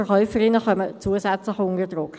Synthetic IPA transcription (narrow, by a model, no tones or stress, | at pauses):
əχœʏfəɾɪnəχœmət͡suəsɛt͡slɪχʊndəd̪ʁʊk